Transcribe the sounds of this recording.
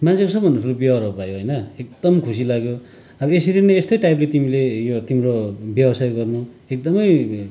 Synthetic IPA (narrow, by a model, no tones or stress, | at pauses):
mant͡sʰikosʌbʱʌnusʰulobjʌʌɾʌpajoɦʌjnʌek̚d̪ʌmkʰus̬ilaɡjo | ʌbʌesiɾineest̪ʌjʈajplet̪imilejot̪imɾobjʌwʌsajɡʌrnu | ek̚d̪ʌmʌj